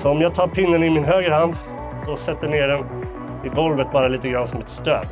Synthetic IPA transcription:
sɔɔmjɑːɡ̚t̪ʰɑːɾpʰɪnːənɪmɪnɦøːɡɾəhand̪ | d̪ɔsɛt̪ːəɳeːɖɛn | ɪvɔlvət̪̚bɑːɾaliːt̪əɡɾanːsɔmɛt̪st̪ø̰ː

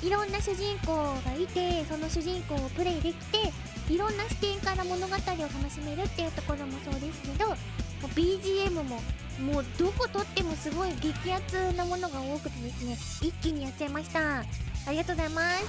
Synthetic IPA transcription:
iɾõ̞nːaɕɨʑĩŋko̞ːɡait̪e̞so̞no̞ɕɨʑĩŋko̞ːpɯ̟ɾe̞ːd̪e̞kʲi̥t̪e̞ | iɾõ̞nːaɕi̥t̪ẽ̞ŋkaɾamo̞no̞ɡat̪aɾʲio̞t̪ano̞ɕime̞ɾɯ̟t̪ːejɯ̟t̪o̞ko̞ɾo̞mo̞so̞ːd̪e̞sɨ̥ke̞d̪o̞ | mob̥ʲiːʑiːemɯ̟mo̞ | moːd̪o̞ko̞t̪o̞t̪ːe̞mo̞sɨɡo̞iɡe̞kʲiat͡sɨnamo̞no̞ɡao̞ːkɯ̟̥t̪e̞d̪e̞sɨne̞ | ikʲːiɲ̟ijat͡sɨemaɕi̥t̪aaɾʲiɡat̪oozaimas

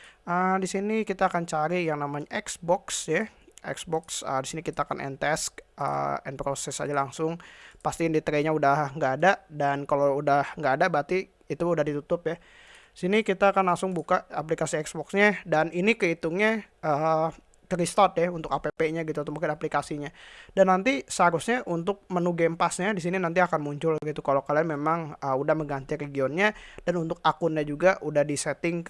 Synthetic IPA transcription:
ədisinikit̪aːkant͡ʃaɾijaŋnamaɲaʔɛksbɔksjaʔɛ̰ksbɔksə̰disinikit̪aːkanʔɛ̰nt̪ɛskə̰ɛ̰npɾosɛsa̰d͡ʒalaŋsʊŋpast̪iaŋdit̪əɾeɲaudahŋɡaːdaʔdankaloudahŋɡaːdabat̪iː | t̪uːdahdit̪ut̪ʊpja | sinikit̪aːkanlaŋsʊŋbukaʔaplikasiɛksbɔksɲadaninikəit̪uŋɲaə | kəɾist̪ɔt̪̚jaunt̪ʊkapepeɲaɡit̪̬unumukɪnaplikasiɲadanːant̪isaɾʊsɲaʔunt̪ʊk̚mənuɡempasɲadis̬ininant̪̬iakanmuɲt͡ʃʊlɡit̪ukalokalianmemaŋəudahməɡant̪iɾeɡiɔnɲad̥anunt̪ʊk̚akʊnɲad͡ʒuɡaʔudahdisɛt̪ɪŋ

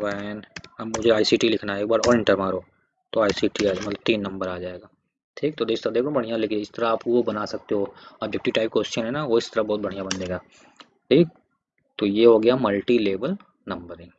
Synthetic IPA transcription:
ʋaɛnɐbmʊd͡ʒʱeaːisiːʈilɪkʰnaeːk̚baːɾɔːɾɪ̃ɳʈəɾmaːɾoː | t̪oaːisiːʈiaːmɐt̪ləb̚t̪iːnːɐ̃mbəɾaːd͡ʒaːeːɡaː | ʈʰiːk̚t̪od̪eːst̪əɾd̪eːkɐbɐɽ̤ijãleːkɪ̃nɪst̪ɐɾaːpʋobɐnasɐk̚t̪eɦoɐbd͡ʒɛk̚ʈɪʋʈaːɪp̚koːsʈʃənɦɛnaʋoɪst̪ɐɾabɔːt̪̚bɐɽ̤ijãbɐneːɡaː | ʈʰiːk̚ | t̪ojeɦoɡɐjamɐlʈileːbəl | nɐ̃mbəɾɦɛ̃

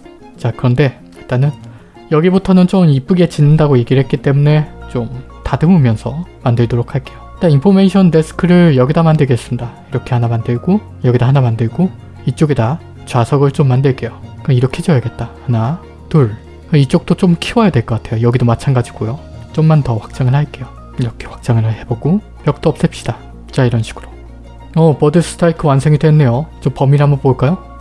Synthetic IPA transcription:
t͡ɕakɯɾʌnde̞ | it͈anɯn | jʌɡibutʰʌnɯnt͡ɕomip͈uɡe̞t͡ɕinːɯndaɡoje̞ɡiɾɯɭhet̚k͈it͈e̞mune̞t͡ɕ͈om | tadɯmɯmjʌnsʰʌmandɯɭdoɾokʰaɭk͈e̞jot͈aimpʰome̞iɕʰʌnde̞s͈ʰɯ̥kʰɯɾɯɭjʌɡidamandɯɭɡe̞s͈ɯmidaiɾʌkʰe̞hanamandɯɭɡo | jʌɡidaɦanamandɯɭɡo | it͡ɕ͈oɡeda | t͡ɕwasʰʌɡɯɭt͡ɕ͈omːandɯɭk͈e̞jokiɾʌkʰe̞d͡ʑʌjʌɡe̞t̚t͈ahana | tuɭ | keit͡ɕ͈ok̚t͈ot͡ɕomkʰiwajadwe̞ɭk͈ʌk͈atʰe̞jojʌɡidomat͡ɕʰanɡad͡ʑiɡ̥ojot͡ɕ͈omːantʌɸwḁk̚t͡ɕ͈aŋɯɭhaik͈e̞jo | iɾʌkʰe̞ɸwḁk̚t͡ɕ͈aŋɯɭɦahe̞boɡo | pjʌk̚t͈oʌps͈ʌp̚ɕ͈id̥a | t͡ɕ͈aiɾʌnɕʰi̥ɡ̥ɯɾo | ʌpʌdɯs͈ʰɯ̥tʰaikʰɯwans̬ʰʌŋidwe̞nːe̞jot͡ɕompʌmiɾamʌnpoɭk͈ajo

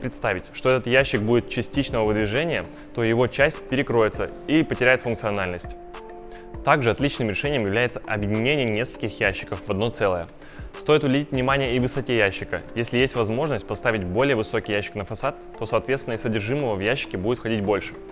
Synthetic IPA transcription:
pɾʲɪt̪st̪avʲɪtʲʂt̪oɛt̪ət̪jæɕːɪk̚budʲɪt̪̚t͡ɕɪsʲtʲit͡ɕnəvəvɨd̪vʲɪʐɛnʲɪjə | t̪o̞jɪvo̞t͡ɕæsʲtʲpʲɪɾʲɪkɾo̞jɪt̪sə̰ipətʲɪɾʲæjɪt̪fʊnkt̪sɨɐnalʲnəsʲtʲ | t̪aɡʐɨɐt̪lʲit͡ɕnɨmɾʲɪʂɛnʲɪjəmjɪvlʲæjɪt̪sə̥ʔɐbʲjɪdʲɪnʲenʲɪjənʲe̞skə̥lʲkʲɪxjæɕːɪ̥kəfvɐd̪no̞t̪sɛlˠəjə | st̪o̞jɪt̪ʊblʲɪdʲitʲvnʲɪmanʲɪjəivɨsɐtʲejæɕːɪkə̰jesʲlʲɪjesʲtʲvɐzmo̞ʐnəsʲt̚ʲpɐst̪avʲɪt̚ʲbo̞lʲɪjəvɨso̞kʲɪjæɕːɪ̥knəfɐsat̪ːo̞sɐːt̪vʲet̪st̪ʲɪnəsʲsədʲɪrʐɨməvəvjæɕːɪ̥kʲɪbudɪt̪fxɐdʲit̚ʲbo̞lʲʂɨ̥

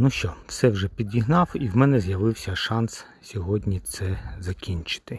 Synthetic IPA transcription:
nuʃt͡ʃɔwsɛwʒɛpʲid̪ʲjʲiɦnɑwiwmɛnɛzjɐʋɪwsʲɐʃɑns | sʲɔɦɔdʲnʲit̪sɛzɐkʲinʲt͡ʃɪ̥t̪ɪ

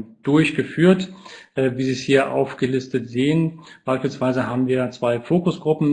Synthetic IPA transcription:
d̥ʊɐçɡ̥əfyːɐtʔɛviːziːshiːɐʔa̰ʊfɡ̥əlɪstətz̥eːənb̥aɪʃpiːlsv̥aɪzəɦaːbm̩viːɐat͡sv̥aɪfoːkʊsɡ̥ʁʊpm̩

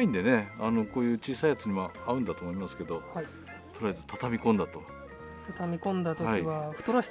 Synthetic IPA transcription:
ĩnd̪e̞ne̞ano̞ko̞ːjɯ̟ːt͡ɕiːsaijat͡sɨɲ̟imaaɯ̟̃nd̪at̪oːmo̞imasɨ̥ke̞d̪o̞ | t̪oɾaazɨt̪ʰat̪amʲikõ̞nd̪at̪o̞ | t̪at̪amʲikõ̞nd̪at̪ohaiβaɸɯ̟t̪oɾoɕ

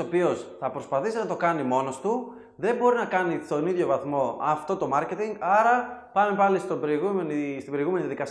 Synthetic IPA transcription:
opio̞sθɐpɾo̞spɐθist̪nɐt̪o̞kɐnimo̞no̞st̪u | ðe̞mbo̞ɾinɐkɐnit̪o̞niðʝo̞vɐθmo̞ɐft̪o̞t̪o̞mɐɾce̞t̪iŋɡɐɾɐpɐmepɐlist̪obɾoiɣumenist̪ibeoiɣume̞niðijɐðikɐs

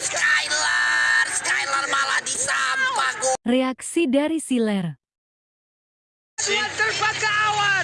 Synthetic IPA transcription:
skajlarskajlarmaladisampakoreaksidaɾisilɛr | jat̪ərpakawa

